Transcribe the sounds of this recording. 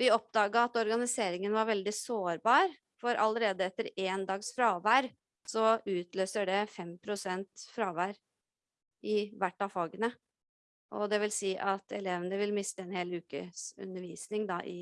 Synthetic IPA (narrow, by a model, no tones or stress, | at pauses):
ʋɪɔp̚d̪ɑːɡɑɑt̪ɔɾɡɑnɪseːɾɪŋənʋɑɾʋɛld̪ɪsoːɾbɑːɾ | fɔɾʔɑ̰ləɾeːd̪əɛt̪ːəɾeːnd̪ɑːɡsfɾɑːʋæːɾ | sɔʉːt̪ʰløːsəɖɛfɛmpʰɾʊsɛnt̪fɾɑːʋæːɾ | ʔɪʋæʈːɑʋfɑːɡənə | ʔɔ̰d̪ɛʋɪlsiːʔɑt̪ʰɛ̰leːʋənəʋɪlmɪst̪əɛnheːlʉːkə̰sʉ̰nəɾʋiːsnɪŋd̪ɑ̰ʔɪ̰